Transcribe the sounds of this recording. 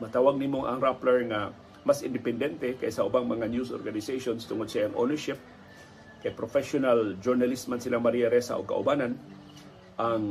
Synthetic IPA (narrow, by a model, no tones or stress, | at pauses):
mɐt̪aːwaɡ̚nimoŋʔa̰ŋɾaplɛɹŋa | masɪnd̪ɪpɛnd̪ɛnt̪ɛkajsɐʔʊbaŋmɐŋanjuso̰ɾɡanɪsajsonst̪ʊŋod̪sajɐŋʔo̰nɛɹʃɪp̚ | kajpɾofɛʃonald͡ʒʊɹnalismansɪlaŋmaɾijaɾɛsa̰ʔoɡ̚ka̰ʔʊbanan | ʔaŋ